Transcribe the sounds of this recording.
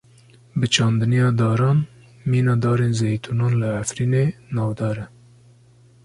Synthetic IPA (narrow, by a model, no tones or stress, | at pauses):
bɨt͡ʃʰɑːnd̪ɨnijɑːd̪ɑːɾɑːn | miːnɑːd̪ɑːɾeːnzejt̪ʰuːnɑːnlɨafɾiːneːnɑːvd̪ɑːɾɛ